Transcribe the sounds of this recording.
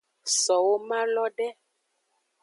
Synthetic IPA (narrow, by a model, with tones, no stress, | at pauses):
sɔ˨wo˦mã˦lɔ˦ɖɛ˦